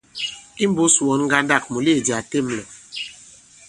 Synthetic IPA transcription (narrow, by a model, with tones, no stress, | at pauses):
i˦m˦bo˦swɔ˨˦nŋ˦ɡa˦nda˦˨k̚mu˨le˦˨d͡ʒi˨a˨te˦˨˦mlɔ˨